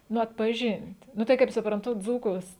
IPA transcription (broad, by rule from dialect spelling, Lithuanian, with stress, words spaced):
ˈnʊ ɐtpɐˈʒʲɪnʲtʲ ˈnʊ tɐɪ kɐɪp sʊprɐnˈtʊ ˈd͡zuːkʊs